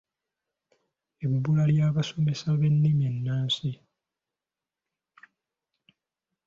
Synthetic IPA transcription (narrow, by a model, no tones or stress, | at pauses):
ebulaljaːβaso̞me̞saβe̞nːimjenːaːnsi